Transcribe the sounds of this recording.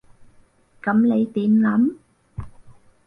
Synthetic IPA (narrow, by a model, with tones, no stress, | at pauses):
kɐ˨˥mne˨˧jt̪iː˨˧nlɐ˨˥m